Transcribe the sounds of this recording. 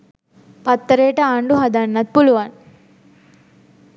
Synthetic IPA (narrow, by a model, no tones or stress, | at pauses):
pɐt̪ːɐɾeːʈɐaːɳɖuɦɐd̪ɐnːɐt̪̚puluʋan